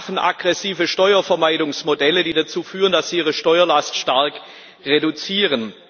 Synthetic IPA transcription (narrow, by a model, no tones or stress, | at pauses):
fn̩ʔa̰ɡ̥ʁɛsiːvəʃtɔʏɐfɛɐmaɪdʊŋsmodɛlədiːdat͡suːfyːʁəndasz̥iːiːʁəʃtɔʏɐlastʃtaɐk | ʁedut͡siːʁən